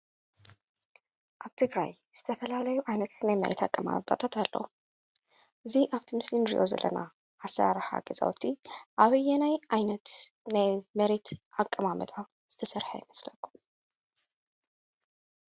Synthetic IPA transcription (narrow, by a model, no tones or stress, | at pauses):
ʔaβt̪ʰɨɡɾa̰jz̥ɨt̪ʰɐfɐlalɐjuʔajnɐt̪najmɐɾʔḛt̪akʼːɐma̰t̪ʼat̪ʰat̪ʰalːow | ʔɨziʔaβt̪ʰimɨslinɾḭʔo̞̰zɐ̰lːɐ̰na̰ | ʔːsɐɾa̰ɾħa̰ɡɐzʼa̰wt̪ʰiʔaβɨjɛnajʔajnɐt̪najmɐɾet̪ʔakʼːɐmamɐt̪ʼa | z̥ɨt̪ʰɐsɐɾħa̰jɪmɐslɐkʰːum